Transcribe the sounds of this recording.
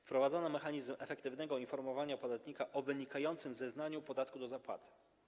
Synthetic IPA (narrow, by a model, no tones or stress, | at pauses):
fpɾɔvad̪zɔnamɛxaɲizmɛfɛkt̪ɘvnɛɡɔinfɔɾmɔvaɲapɔd̪at̪ɲikaʔɔvɘɲikajɔnt̪sɘmzɛznaɲupɔd̪at̪kud̪ɔzapwa̰t̪ɘ̥